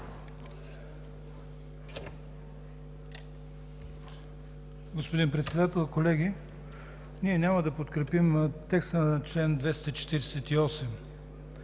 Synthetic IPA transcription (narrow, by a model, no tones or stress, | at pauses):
ɡospod̪inpɾɛt̪sɛd̪at̪ɛlˠkolɛɡʲi | niɛnʲaməd̪ɐpot̪kɾɛpimt̪ɛkst̪ənt͡ʃlɛnd̪vɛst̪ɐt͡ʃɛ̥t̪iɾɛsɛt̪iɔsɛm